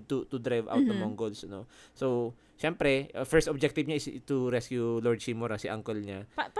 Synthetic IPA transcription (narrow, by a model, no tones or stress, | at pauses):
t̪ut̪ud̪ɾajvʔa̰wt̪ːʊmɔŋɡolsnoso | ʃɛmpɾɛfɛɹst̪ʔɔb̚d͡ʒɛk̚t̪ɪbɲaʔɪst̪uɾɛskjulɔɹd̪̚simoɾɐsiʔaŋkɛlɲap